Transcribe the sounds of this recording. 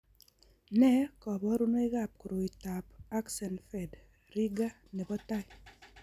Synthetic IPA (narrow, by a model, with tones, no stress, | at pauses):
nɛ˦kɔ˨bɔ˦ɾu˦no˦e˦ɣa˦˨p̚ku˨ɾo˨i˨ta˨pa˦ksɛ˨nfɛ˨d | ɾi˦ɡa˦ | ne˨bɔ˦ta˦j